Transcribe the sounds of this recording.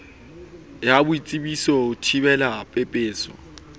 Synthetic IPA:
jabʊit͡sʼibisɔʊtʰibɛlapʼɛpʼeːsɔ̰

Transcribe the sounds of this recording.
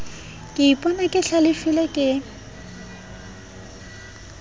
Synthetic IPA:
kʼɪipʼɔnakʼɪɬalɪfilɛkʼɪ

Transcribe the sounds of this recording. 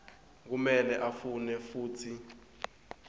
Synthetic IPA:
k̬umɛlɛʔafunɛfuːtʰi

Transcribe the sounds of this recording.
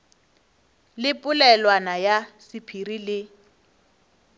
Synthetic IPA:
lɪpʼʊlɛlwanajasɪpʰirilɪ

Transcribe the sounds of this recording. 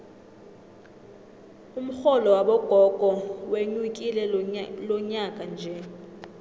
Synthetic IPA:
um̩xɔlɔwaɓɔɡ̥ʱɔɡ̥ʱɔweɲwuk̬ʼilɛlɔɲakʼand͡ʒʱɛ

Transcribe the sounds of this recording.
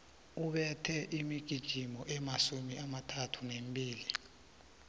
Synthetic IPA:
uɓɛtʰɛʔimiɡ̥ʱid̥ʒ̥ʱimɔʔɛmasumiʔamatʰatʰunemɓʱʼiːli

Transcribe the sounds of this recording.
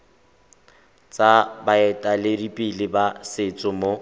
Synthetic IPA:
t͡sʼabaɛtʼalɪdipʼilɪbasɪt͡sʼʊmo

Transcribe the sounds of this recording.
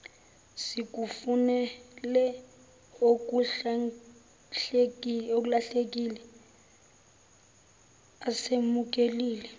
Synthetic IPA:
sik̬ʼufunɛlɛ | ok̬ʼua | ɬekok̬laɬek̬ʼilɛ | asemuk̬ʼeliːlɛ

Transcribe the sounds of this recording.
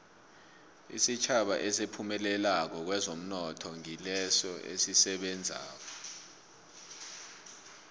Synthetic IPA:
ḭsit͡ʃʰaɓaʔɛsepʰumɛlɛlak̬ɔk̬wɛzom̩nɔtʰɔŋilɛsɔḛsisɛɓɛnd͡zʱa̰ːk̬ɔ

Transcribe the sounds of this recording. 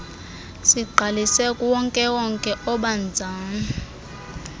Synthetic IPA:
siɡ͡ǃʱalisɛkʼuwɔŋkʼɛwɔŋkʼɛʔɔɓand͡zʱaːni

